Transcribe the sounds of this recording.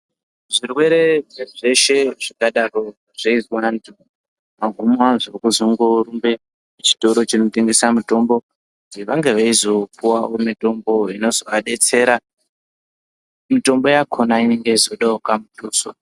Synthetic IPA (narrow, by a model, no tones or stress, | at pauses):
ʐirwe̞ɾe̞ʐeʐe̞ʃe̞ʐakaɗaro̞ | ʐ̥eiwandu | maɡʱumwaʐirikuzoŋɡouɾumbe̞ | ut͡ʃi̥to̞ɾo̞t͡ʃino̞teŋɡesamuto̞mbo̞ | kutiʋaŋɡe̞ʋaizo̞puwaomito̞mbo̞ino̞zoʋaɗe̞t͡se̞ːɾa | mito̞mbo̞jakʰo̞naine̞ŋɡe̞izo̞ɗaokamutuːso